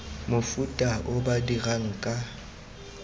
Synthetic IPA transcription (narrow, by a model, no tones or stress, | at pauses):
mʊfutʼaʔʊbadiraŋ̩kʼa